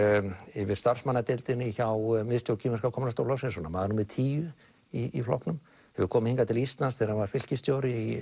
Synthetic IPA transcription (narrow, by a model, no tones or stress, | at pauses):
ɪvɪɾ̥st̪ar̥smanːat̪ɪlt̪ɪnɪçawmɪðst̪jowcʰiːmɛskakʰɔmnast̪owlasɪnsɔnamaːðaɾnumɪðt̪ʰiːjʏ | iiflɔ̰hknʏm | hɛvʏkʰɔːmɪhiŋkat̪ʰɪlist̪lansθɛːɾavaɾ̥fɪl̥cɪst̪joːwɾɪi